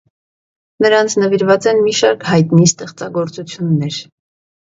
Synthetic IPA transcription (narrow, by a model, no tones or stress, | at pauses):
nəɾɑnt͡sʰnəviɾvɑt͡sɛnmiʃɑɾkhɑjt̪nist̪ɛχt͡sɑɡɔɾt͡sut͡sʰjunːɛɾ